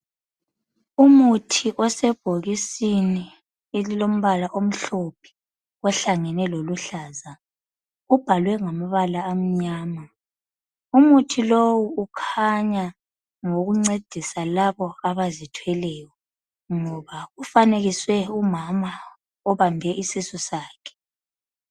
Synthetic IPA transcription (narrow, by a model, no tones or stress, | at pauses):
umutʰiʔɔsɛb̥ʱoɣisini | elilom̩βalaʔom̩ɬopʰi̥ | ɔɬaŋɛnɛloluɬaːza | ub̥ʱalwɛŋamaβalaːm̩ɲaːma | umutʰilowuːkʰaɲa | ŋoɣuŋ͡ǀed̥ʱisalaβɔaβazitʰwɛlɛːjɔ | ŋɔβaufaneɣiswɛumama | ɔβambʱɛʔisisusaːkʰɛ̥